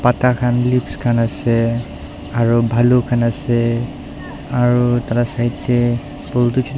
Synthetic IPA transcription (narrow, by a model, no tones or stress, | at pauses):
patakʰanlipskʰanasɛ | aɹubʱalukʰanasɛ | aɹutalasaitɛ | poltut͡ʃit